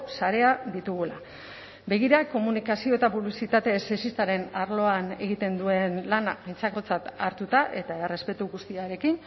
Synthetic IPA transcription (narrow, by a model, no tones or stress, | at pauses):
saɾe̞aðit̪uɣula | be̞ɣ̞iɾako̞munikasio̞et̪apuβlisit̪at̪e̞ːsesist̪aɾe̞naɾlo̞ane̞ɣ̞it̪e̞nd̪ue̞nlanapint͡sako̞t͡sat̪aɾt̪ut̪aʔe̞t̪aere̞spe̞t̪uɣust̪iaɾe̞kin